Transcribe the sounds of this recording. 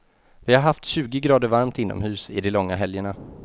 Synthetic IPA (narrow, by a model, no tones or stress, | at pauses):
vɪhaɾɦaft̪ɕʉ̟ːɡɪɡɾɑːd̪əɾvaɾmt̪ɪnːɔ̰mhʉ̟ːsɪ̰d̪ɛlɔŋːaɦɛljəɳa